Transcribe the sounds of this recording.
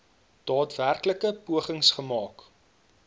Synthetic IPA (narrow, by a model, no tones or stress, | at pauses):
d̥ɑːtværkləkəpuəχəŋsχəmɑːk